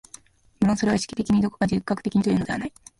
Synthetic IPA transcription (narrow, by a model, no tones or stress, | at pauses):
mɯ̟ɾõsoe̞βaɕi̥kʲi̥t̪e̞kʲimʲid̪o̞kokad͡ʑikːakɯ̥t̪e̞kʲiɲ̟it̪o̞jɯnode̞anai